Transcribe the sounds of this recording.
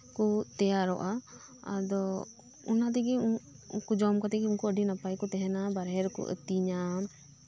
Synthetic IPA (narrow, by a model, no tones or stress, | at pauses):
kut̪ɛjaɾɔʔa | ad̪ɔ | unat̪̬ɛɡi | kud͡ʒɔmkɔt̪ɛɡiunkuəɖinapajkɔt̪ɛɦɛnabaɾɦɛɾkṵʔə̰t̪iɲam